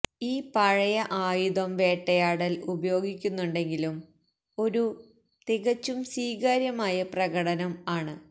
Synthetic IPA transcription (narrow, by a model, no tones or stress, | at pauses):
iːpɐɻɐjɐʔaːjuðɐmʋe̞ːʈːɐjaːɽɐlubɐjo̞ːɡikʲːunːuɳɖe̞ŋɡilum | o̞ɾu | t̪iɣɐt͡ɕːumsiːɡaːɾjɐmaːjɐprɐɣɐɽɐnɐmaːɳɨ